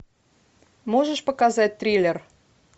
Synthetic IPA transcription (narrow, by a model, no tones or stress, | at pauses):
moʒəʃpəkazat̚ʲt̪ɾʲilʲer